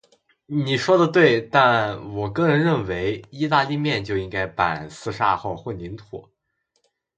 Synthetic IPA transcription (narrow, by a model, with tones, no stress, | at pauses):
ni˨˩ʂwɔ˥d̪ə˨t̪we˥˩ɪt̪a˥˩nwɔ˨˩kɤ˥ŋɻə˧˥nɻə˥˩nwe˧˥ɪi˥t̪a˥˧li˥˧mjɛ˥˧nt͡ɕjo˥˧ʊi˥ŋka˥ɪpa̰˨˩nsɹ̩˥˧ʂa̰˥˧xo˥˧ʊxwə˥˩ni˧˥nt̪ʰṵ˨˩˦